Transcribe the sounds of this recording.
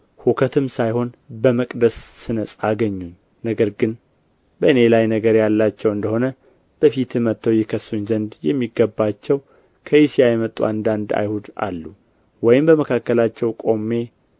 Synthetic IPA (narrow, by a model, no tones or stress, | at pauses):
hukʰət̪ʰɨmsajho̞nbəməkʼd̪əsːɨnəsʼaɡəɲːuɲː | nəɡəɾɡɨn | bəɨne̞lajnəɡəɾjalːat͡ʃːɛwɨnd̪əho̞nə | b̥əfit̪ɨmət̪ːəwjɛkʰəsuɲzənd̪jɛmːiɡːəbːat͡ʃːɛw | kʰəjisijajɛmət̪ʼːuand̪and̪a̰jhud̪a̰lːu | wɔjɪmbəməkʰakːəlat͡ʃːɛwkʼo̞mːe̞